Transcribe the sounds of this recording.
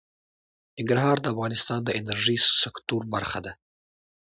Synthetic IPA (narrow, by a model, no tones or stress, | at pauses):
nɪŋɡɾaɦɑɾd̪əafɣɑnɪst̪ɑnd̪əɪnaɾʒijsɪkt̪uɾbaɾxad̪a